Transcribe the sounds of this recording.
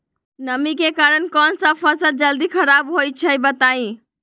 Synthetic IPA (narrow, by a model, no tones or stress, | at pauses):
nəmikekaɾənkɔnsəpʰəsəld͡ʒəld̪ikʰəɾabɦoj̚t͡ʃʰəbət̪aĩ